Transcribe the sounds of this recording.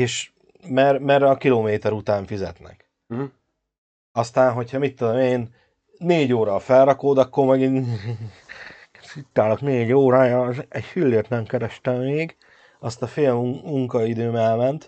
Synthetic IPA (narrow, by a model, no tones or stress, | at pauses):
eːʃ | mɛrmɛrɛɒkiloːmeːt̪ɛɾut̪aːɱfizɛ̰t̪nɛ̰k | ɒst̪aːnɦo̞chɒmit̪ːod̪o̞meːnː | eːɟoːɾɒfɛlrɒkoːd̪ɒkːormɛɡin | sit̪ːaːlokneːɟoːɾaɛɟfylːeːrt̪nɛmkɛɾɛʃt̪ɛmːeːɡ | ɒst̪ɒfeːlumuŋkɒid̪øːmɛlmɛnt̪